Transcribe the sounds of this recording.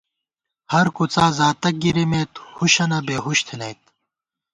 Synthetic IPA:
hɐɾkut͡saːzaːt̪ɐk̚ɡiɾimeːt̪huɕɐnɐbeːɦuɕt̪ʰinɐjt̪̚

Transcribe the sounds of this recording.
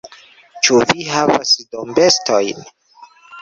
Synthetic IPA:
t͡ʃuviɦavasid̪ɔmbɛst̪ʰɔjin

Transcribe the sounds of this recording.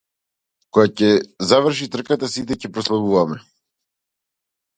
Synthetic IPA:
kɔjacɛzavr̩ʃit̪r̩kat̪asit̪̬ɛcɛpɾɔslˠabuvamɛ

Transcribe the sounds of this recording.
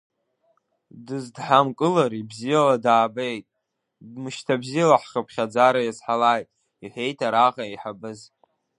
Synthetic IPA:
dɨzdħamkʼɨlaɾibzijaladaːbejtʼ | dmɨʃtʰabzijalaħχəpʰχʲad͡zaɾajazħalajtʼ | iħʷejtʰaɾaʁaiħabɨz

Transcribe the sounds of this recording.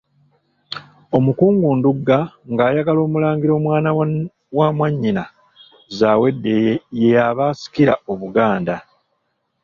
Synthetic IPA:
o̞mukuːŋɡuːnduɡːaŋɡaːjaɡalo̞ːmulaːŋɡiɾo̞ːmwaːna | wamwaɲːina | zaːwe̞dːe̞jejaβaːsi̥kiɾao̞βuɡaːnda

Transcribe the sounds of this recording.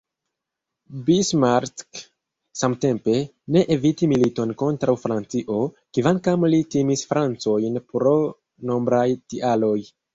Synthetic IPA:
bismaɾtk | samte̞mpe̞ | ne̞ʔevitimilito̞nko̞ntɾawfɾant͡siʔo̞ | kivankamlitimisfɾant͡so̞jnpɾo̞ | no̞mbɾajtiʔalo̞j

